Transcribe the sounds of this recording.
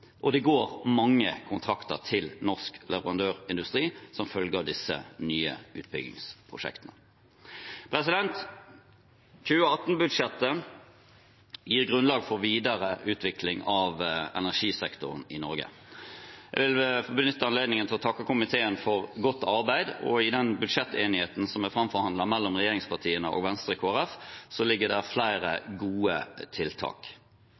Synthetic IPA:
ʔɔd̪ɛɡoːʁmɑŋːəkʰʊnt̪ʰʁɑkt̪ə̰ʁt̪ʰɪlnɔʁsklɛʋəʁɑnd̪øːʁɪnd̪ʉst̪ʁiːsɔmfœlɡɑd̪ɪsə̰nyːə̰ʉ̰ːt̪̚bʏ̰ɡɪ̰ŋspʰʁʊ̰ʂɛ̰kt̪ənə | pʰʁɛsɪd̪ɛnt̪ | c͡çʉːəɑt̪ːnbʉd̪ʂɛt̪ːə | jiːʁɡʁʉnlɑːɡfɔʁʋiːd̪əɾəʔʉːt̪ʰʋɪklɪŋɑʋɛ̰næʁʂiːsɛkt̪ʊ̰ʁnɪnɔ̰ɾɡə̰ | ɛ̰ʋɪlbənʏt̪ːəɑnleːd̪nɪŋənt̪ʰɪlɔt̪ʰɑkːəkʊmɪt̪ʰeːənfɔʁɡɔt̪ːɑɾbæɪd̪ɔ̰ɪd̪ɛnbʉd̪ʂɛt̪ːeːnɪheːt̪n̩sɔmæfɾɑmfɔɾhɑnd̪lɑmɛlːɔmʁɛjeːʁɪŋspʰɑʁt̪ʰiːənə̰ʔo̰ːɡʋɛnst̪ɾəkʰoːæʁɛfsɔlɪɡːəd̪æʁflæɪɾə̰ɡuːət̪ʰɪlt̪ʰɑ̰ːk

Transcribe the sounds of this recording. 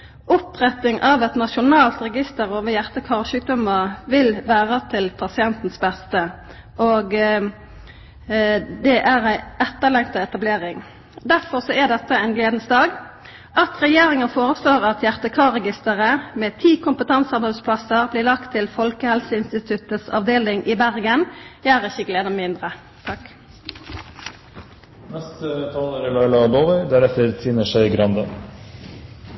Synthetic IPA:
ʊpʁɛt̪ɪŋʔɑʋɛt̪nɑʃʊnɑːlt̪ʁɛɡɪst̪əʁoːʋəjæʁt̪əkʰɑːʁʃʉːk̚d̪ɔməʋɪlʋæːʁət̪ʰɪlpʰɑsɪɛnt̪n̩sbɛst̪ə | ʔoːɡ | d̪ɛʔæʁæɪɛt̪ːəlɛŋt̪əɛt̪ɑbleːʁɪŋ | d̪æɾfɔʁsɔæd̪ɛt̪ːəæɪnɡleːd̪nsd̪ɑːɡ | ʔɑt̪ʁɛjeːʁɪŋənfoːʁəsloːʁɑt̪jæʁt̪əkʰɑːʁɛɡɪst̪əʁəmeːt̪ʰiːkʰʊmpət̪ʰɑnsɑnbspʰlɑsəʁbliːʁlɑkt̪ʰːɪlfɔlkəhɛlsəɪnst̪ɪt̪ʰʉt̪əsɑ̰ʋd̪eːlɪŋʔiːbæʁɡənjæːʁɪçːəɡleːd̪əmɪnd̪ʁə | t̪ʰɑk | nɛst̪t̪ʰɑːləɾəlɑɪlɑboːʋæɪd̪æɾɛt̪əɾt̪ʰiːnəʂœʏɡɾɑnd̪ə

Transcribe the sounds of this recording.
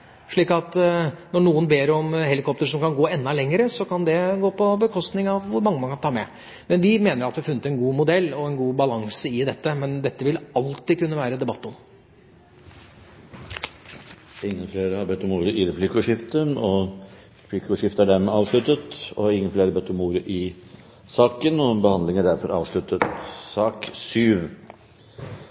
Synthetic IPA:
ʂɭiːkɑt̪nɔɳuːənbeːɾɔmhɛlɪkʰɔp̚t̪əʂɔmkɑnɡoːɛnːɑlɛŋːəɾəsɔkɑnd̪ɛɡoːpʰɔbəkʰɔst̪nɪŋɑʋʋʊɾmɑŋːəmɑnkɑnt̪ʰɑːmɛ | mɛnʋɪmeːnəɾɑt̪d̪ɛɑɾfʉnːət̪ɛnɡuːmʊd̪ɛlːɔɛnɡuːbɑlɑŋsəɪd̪ɛt̪ːəmɛnd̪ɛt̪ːəʋɪlɑlt̪ɪkʉnːəʋæːɾəd̪ɛbɑt̪ːɔm | ɪŋːənfleːɾəhɑɾbɛt̪ːɔmuːɾəʔɪɾɛpʰlɪkəʉʂɪft̪ənɔ | ɾɛplɪkːʉʂɪft̪əæɖæɾmɛɑːʋʂɭʉt̪ət̪ɔɪŋːənfleːɾəbɛt̪ːɔmuːɾəʔɪ | sɑːkənɔbəhɑnd̪lɪŋæɖæɾfɔɾɑ̰ːʋʂɭʉt̪ːət̪sɑːksyːʋ

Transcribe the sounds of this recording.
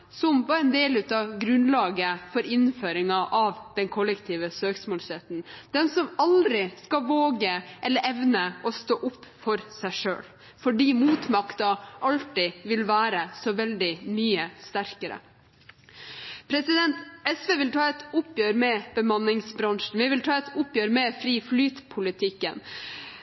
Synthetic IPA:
sɔmʋɑɾɛnd̪eːlʉːt̪ɑɡɾʉnlɑːɡəfɔɾɪnføːɾɪŋɑʔɑʋd̪̥ɛnkʰɔlːəkt̪ʰiːʋəsøːksmoːlsɛt̪n̩d̪̥ɛnsɔmɑld̪ɾɪskɑʋoːɡəʔɛlːəɾɛʋnəʔɔst̪oːʔʊpːfɔɾsæɪʂø̰ːl | fɔɖiːmuːt̪mɑkt̪ɑʔɑlt̪ɪʋɪlʋæːɾəsɔʋɛld̪ɪmyːəst̪æɾkəɾə̰ | pʰɾɛsɪd̪ɛnt̪ɛsʋeːʋɪlt̪ʰɑːɛt̪ʊpːjøːɾmɛb̥əmɑnːɪŋsbɾɑŋʂn̩ʋɪʋɪlt̪ʰɑːɛt̪ʰʊpjøːɾmɛfɾiːflyːt̪pʰʊlɪt̪ʰɪkːə̰n

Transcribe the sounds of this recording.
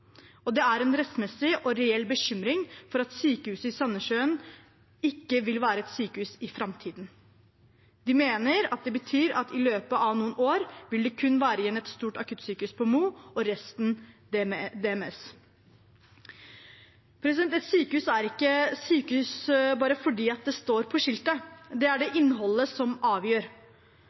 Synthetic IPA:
ɔd̪ɛæɾɛnɾɛsmɛsːɪʔɔɾɛɛlːbəɕʏmɾɪŋfɔɾɑt̪syːkəhʉːsəɪsɑnːəʂøːən | ɪkːəʋɪlʋæːɾəɛt̪syːkəʉːsɪfɾɑmt̪ʰiːd̪n | d̪ɪmeːnəɾɑt̪̚d̪ɛbət̪ʰyːɾɑt̪ɪløːpəʔɑʋnuːənoːɾʋɪld̪ɛkʰʉnːʋæːɾəɪjɛnːɛt̪st̪uːʈɑkʰʉt̪ːsyːkʉspʰɔmuːɔɾɛst̪n | d̪ɛɛmɛs | pʰɾɛsɪd̪ɛnt̪ɛt̪syːkəʉːsæɾɪkːəsyːkəʉsbɑːɾəfɔɖiːɑt̪̚d̪ɛst̪oːɾpʰɔʂɪlt̪əd̪ɛæɖɛʔɪnːɦɔlːəsɔmɑːʋjøːɾ

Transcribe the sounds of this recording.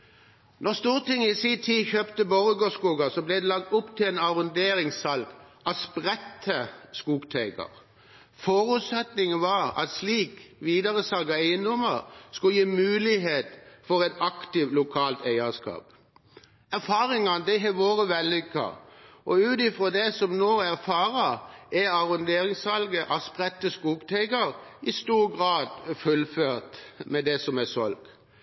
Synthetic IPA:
nɔʁst̪uːʁt̪ɪŋɪsit̪ʰiːçøːpt̪əbɔʁəɡoːskuːɡɑsɔblɛɪd̪ɛlɑɡ̚t̪ʊpt̪ʰɪleːnɑʁʉnd̪eːʁɪŋsɑlɡ̪ɑspʁɛt̪ʰːəskuːɡt̪ʰæɪɡɑ̰ʁ | fɔʁʉt̪sɛt̪nɪŋəʋɑːʁɑ̰t̪sliːkʋiːd̪ɑʁəsɑlɡɑæɪənd̪ʊməʁskʉjiːmʉːlɪɦeːt̪fɔɾɛt̪ɑkt̪ɪʋlʊkʰɑːlt̪æɪəskɑ̰ːp | æɾfɑːɾɪŋɑnəd̪ɛɦɛʋoːʁəʋɛlːʏkːɑ̰ɔʉːt̪ɪfʁoːd̪ɛsɔmnoːæʁfɑːɾɑæɑʁɔnd̪eːɾɪŋsɑlɡəʔɑspʁɛt̪ːəskuːɡt̪ʰæɪɡɑɾɪst̪uːɾɡʁɑːd̪fʉlføːʁt̪mɛd̪ɛsɔmæsɔ̰lɡ̥

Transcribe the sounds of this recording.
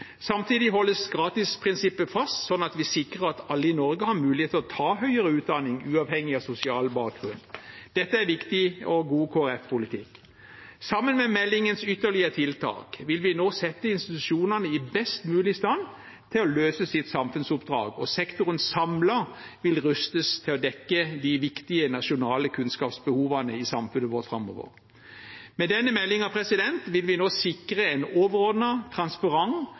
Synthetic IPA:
sɑmt̪ʰiːd̪ɪɦɔlːəsɡɾɑːt̪ɪspʰʁɪnsɪpːəfɑst̪sɔnːɑt̪ʋɪsɪkʁəɾɑt̪ɑlːəɪnɔɾɡəhɑmʉːlɪheːt̪əlɔt̪ʰɑːɦœʏəɾəʉːt̪̚d̪ɑnɪŋʉːɑːʋhɛŋːɪɑsʊsɪɑːlbɑːk̚ʁʉnd̪d̪̥ɛt̪ːəæɾʋɪkt̪ɪɔɡuːkʰoːæɾɛfpʰʊlɪt̪ʰɪ̰k | sɑmːənmɛmɛlːɪŋənsʏt̪ːəɭɪət̪ʰɪlt̪ʰɑ̰ːkʋɪlʋɪnoːsɛt̪ːəɪnst̪ɪt̪ʉʃuːnɑnəɪbɛst̪mʉːlɪst̪ɑn | t̪ʰɪlɔløːsəsɪt̪sɑmfʉnsʊpd̪ʁɑ̰ːɡɔsɛkt̪ʊʁənsɑmləʋɪlʁʉst̪əst̪ʰɪlɔd̪ɛkːəd̪ɪʋɪkt̪ɪənɑʂʊnɑːləkʰʉnskɑːpsbəhuːʋɑnəɪsɑmfʉnːəʋɔʁt̪fɾɑmːɔ̰ːʋə̰ʁ | mɛd̪ɛnːəmɛlːɪŋɑpʰɾɛsɪd̪ɛnt̪ʋɪlʋɪnoːsɪkɾəɛnoːʋəʁɔʁd̪nət̪ʰʁɑnspɑɾɑŋ

